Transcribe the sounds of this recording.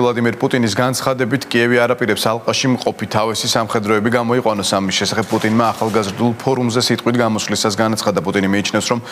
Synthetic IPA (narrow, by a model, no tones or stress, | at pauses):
lˠad̪imiɾpʼut̪ʼinis̬ɡant̪sʰχad̪ɛbit̪ʰkʼiɛviaɾapʼiɾɛpsalˠqʼaʃimqʼɔpit̪ʰavɛsisamχɛd̪ɾɔɛbiɡamɔiqʼwanɔsamisʃɛsaχɛb̚pʼut̪ʼinmaːχalˠɡazɾd̪ulˠpʰɔɾumzɛsit̪ʼqʼwit̪ʰɡamɔsvlisasɡanat̪sʰχad̪apʼut̪ʼinimiːt͡ʃʰnɛfsɾɔm